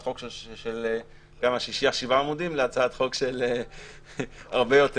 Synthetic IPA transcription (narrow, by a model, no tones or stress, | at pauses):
t̪χo̞kʃel | kamaʃiʃiaʃivaːmud̪imleat͡saat̪χo̞kʃele | aʁbe̞jo̞t̪e